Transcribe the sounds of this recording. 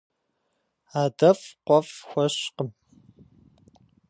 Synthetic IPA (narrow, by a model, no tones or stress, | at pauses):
aːdɐfqʷɔfxʷɔɕqəm